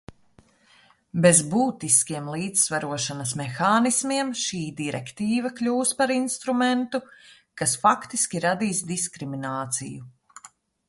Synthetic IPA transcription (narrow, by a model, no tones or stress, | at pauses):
bezbuːt̪iskʲiɛmlˠiːd̪sːvaɾuɔʃanɐsmɛxaːnismiɛmʃiːd̪iɾɛ̰kt̪iːvɐklʲuːspaɾinst̪ɾumɛnt̪u | kasfakt̪iskʲiɾad̪iːsd̪iskɾiminaːt̪sḭju